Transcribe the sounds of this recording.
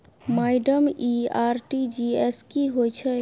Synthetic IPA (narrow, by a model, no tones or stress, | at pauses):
maːɪɖəmiaːɾʈid͡ʒieskiɦojt͡ʃʰɛ